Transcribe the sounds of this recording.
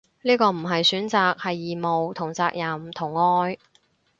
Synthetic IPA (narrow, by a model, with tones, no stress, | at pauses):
niː˥kɔː˧m̩˨˩ɦɐ˨jsyː˨˥nt͡saː˨k̚hɐ˨jːiː˨mo˨wt̪ʰʊ˨˩ŋt͡saː˧k̚jɐ˨mt̪ʰʊ˨˩ŋːɔː˧˥j